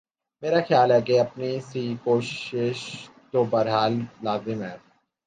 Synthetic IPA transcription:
meːɾaxjaːlɦɛkeɐpnisikoːʃɪʃt̪obɐɾɦaːllaːzɪmɦɛː

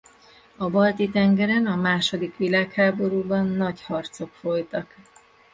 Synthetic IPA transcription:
ɒbɒlt̪it̪ɛŋɡɛɾɛnɒmaːʃo̞d̪ikʋilaːkhaːbo̞ɾuːbɒnːɒɟhɒrt̪so̞kfo̞jt̪ɒk

